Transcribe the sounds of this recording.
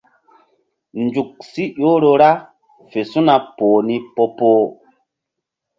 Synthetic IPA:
nd͡ʒu˨k̚si˦jo˦ɾo˧ɾa˦ | fe˨su˦na˨poː˨ni˦po˦poː˦

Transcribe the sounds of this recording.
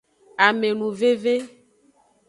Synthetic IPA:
a˨me˨nũ˨ve˦ve˦

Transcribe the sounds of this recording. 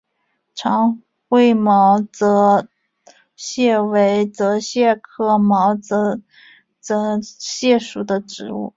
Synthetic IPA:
ʈ͡ʂʰɑ˧˥ŋ | xwe˥˩ɪmɑ˧˥ʊt͡sɤ˧˥ | ɕjɛ˥˩we˧˥ɪt͡sɤ˧˥ɕjɛ˥˧kʰɤ˥˩mɑ˧˥ʊt͡sɤ˧˥ | t͡sɤ˧˥ɕjɛ˥˩ʂu˨˩d̪ə˦ʈ͡ʂɻ̩˧˥ṵ˥˩

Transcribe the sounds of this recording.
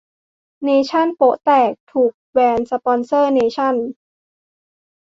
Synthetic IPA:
neː˧t͡ɕʰa˥˩npo˦˥ʔt̪ɛː˨˩k̚t̪ʰuː˨˩k̚wɛː˧nsa˧pɔː˧nsɤː˥˩neː˧t͡ɕʰa˥˩n

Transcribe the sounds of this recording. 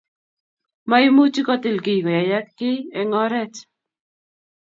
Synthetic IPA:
ma˦i˦mu˦t͡ʃi˦kɔ˦t̪ɪ˦˨lki˨kɔ˨ja˨ja˦t̪̚kɪ˦ɛ˨ŋɔ˦ɾɛ˦t͡ʃ

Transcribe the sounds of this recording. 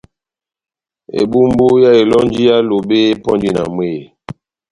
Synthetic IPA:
ḛ˨bu˦m˦bu˦ja˦e˨lɔ˦n˦d͡ʒi˦ja˦lo˨be˦pɔ˦nd͡ʒi˦na̰˨m˦e˦˨

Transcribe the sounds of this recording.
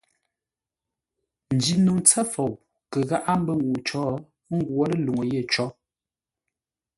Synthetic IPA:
n̩˨d͡ʒi˨nu˨ŋt͡sɛ˦fo˨w | kə˨ɣa˦ʔa˦m̩˦bə˦ŋu˨t͡ʃɔː˦ | ŋ̩˦ɡwo˦lə˦˨lu˨ŋə˨je˦˨t͡ʃɔ˦

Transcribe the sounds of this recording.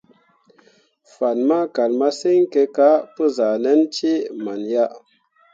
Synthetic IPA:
fa˨nma˦ka˨lma˦si˦ŋ˦ke˧ka˦pə˦za˨nɛ˦nt͡ʃi˦ma˨nja˦

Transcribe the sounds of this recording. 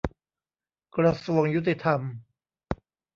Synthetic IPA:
kɾa˧su˨˩əŋju˦˥t̪̬ːi˧t̪ʰa˧m

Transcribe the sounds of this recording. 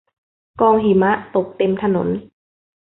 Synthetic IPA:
kɔː˧ŋɦi˨˦ma˧˥ʔt̪o˨˩k̚t̪e˧˨mt̪ʰa˧no̰˨˩˦n

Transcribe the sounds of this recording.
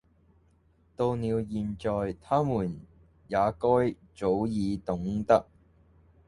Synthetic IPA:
t̪o˧wniː˨˧wjiː˨nt͡ʃɔː˨jt̪ʰaː˥muː˨˩n | jaː˨˧kɔː˥j | t͡ʃo˨˥wjiː˨˧t̪ʊ˨˥ŋt̪ɐ˥k̚

